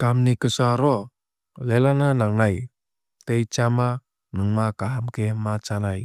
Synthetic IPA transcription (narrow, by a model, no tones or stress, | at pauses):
kamnikəsaɾɔ | lelananaŋnaj | t̪ejt͡ʃama | nəŋmakaɦamkemat͡ʃanaj